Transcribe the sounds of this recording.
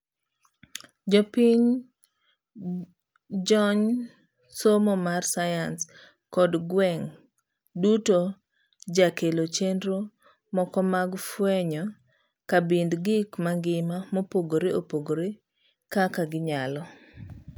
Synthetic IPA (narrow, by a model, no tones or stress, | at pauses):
d͡ʒɔpiɲ | d͡ʒɔɲ | somɔmarsajans | kɔdɡwɛŋ | duto | d͡ʒakelot͡ʃendɾo | mɔkɔmaɡfwɛɲɔ | kabindɡɪkmaŋɡɪmamɔpoɡoɾeopoɡoɾe | kakaɡɪɲalɔ